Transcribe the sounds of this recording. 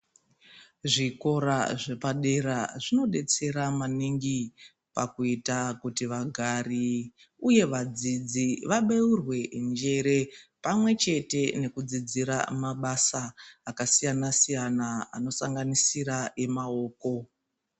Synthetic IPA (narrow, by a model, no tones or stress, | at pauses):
ʐiko̞ɾaʐe̞paɗe̞ɾaʐino̞ɗe̞t͡se̞ɾamaniŋɡi | pakuitakutiʋaɡʱari | uje̞ʋad͡zid͡ziʋaɓeurwe̞ʔnd͡ʒe̞ɾe̞pamwe̞t͡ʃe̞te̞ne̞kud͡zid͡ziɾa̰maɓasaːkasijanasijanaa̰no̞saŋɡanisiɾae̞mao̞ːko̞